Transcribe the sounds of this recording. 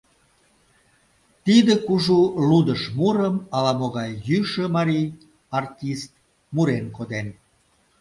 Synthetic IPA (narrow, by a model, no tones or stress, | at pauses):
t̪id̪əkuʒulud̪əʃmuɾəmɑlɑmoɣɑjːyʃə̆mɑɾij | ɑrtʲist̪̚ | muɾenkod̪en